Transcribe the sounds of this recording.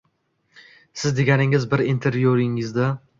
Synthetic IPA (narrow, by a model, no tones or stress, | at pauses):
sɪzd̪e̞ɡʲanɪŋɪzbɪɾint̪ʰeɾvijoɾɪŋɪzd̪a